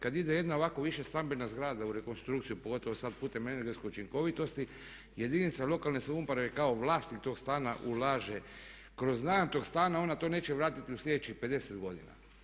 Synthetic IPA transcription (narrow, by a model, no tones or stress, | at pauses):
kad̪id̪e̞je̞d̪nao̞ʋako̞ʋiʃest̪ambenazɡɾaːd̪auɾe̞ko̞nst̪ɾukt̪sijupoɡo̞t̪o̞ʋosat̪̚puːt̪e̞me̞neɾɡesko̞jut͡ʃiŋko̞ʋit̪o̞st̪i | je̞d̪init̪salo̞kalne̞soumpɾaʋekaoʋlˠaːst̪nikt̪o̞ːɡst̪aːnaʔulaːʒe | kɾo̞znaːjamt̪o̞ɡst̪aːnao̞nat̪o̞ne̞ːt͡ʃeʋɾaːt̪it̪iusʎʲed̪et͡ʃixpe̞d̪e̞sed̪ɡo̞d̪ḭna̰